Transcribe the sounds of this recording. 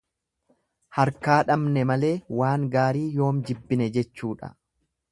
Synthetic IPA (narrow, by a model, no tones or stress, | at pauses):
hɐɾkaːᶑɐmnɛmɐle̞ːwaːŋɡaːɾiːjo̞ːmd͡ʒɪbːɪnɛd͡ʒɛt͡ʃːuːᶑɐ̰